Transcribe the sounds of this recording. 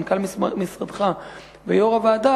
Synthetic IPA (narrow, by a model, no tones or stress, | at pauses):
nkalmisʁad̪χa | vejoʁavead̪a